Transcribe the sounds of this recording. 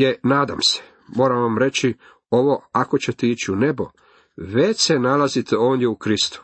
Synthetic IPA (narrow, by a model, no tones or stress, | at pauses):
jenaːd̪a̰mse̥ | mo̞ːɾamʋamɾe̞t͡ɕi | o̞ʋo̞akot͡ɕet̪eit͡ɕiune̞bo̞̰ | ʋet͡ɕsenalazit̪eo̞ːnjeukɾist̪u̥